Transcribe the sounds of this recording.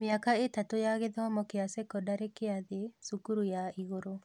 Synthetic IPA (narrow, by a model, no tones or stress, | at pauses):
mɪakaetatojaɣeðɔmɔkɪasekɔdaɾekɪaðesukuɾujaiɣoɾo